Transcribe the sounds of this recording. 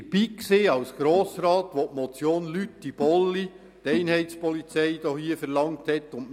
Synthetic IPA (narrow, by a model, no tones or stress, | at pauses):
b̥iːkseːɑwsɡ̥ɾoːsɾɑːtʋotmɔt͡sjoːnlytdib̥ɔlːi | tɛɪnɦɛɪtspɔlit͡sɛjd̥̪ɔhiːəfɛɾlɑŋthɛt̪ːʊn